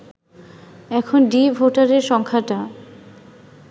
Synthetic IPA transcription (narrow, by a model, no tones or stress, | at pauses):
ɛkʰonɖibʱoʈaɾeɾʃɔŋkʰaʈa